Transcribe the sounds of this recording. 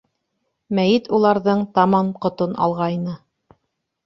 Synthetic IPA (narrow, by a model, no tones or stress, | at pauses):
mæjɘt̪ulˠɑɾðɤɴt̪ɑmɑmqŏt̪onɑ̰lˠʁɑjnɤ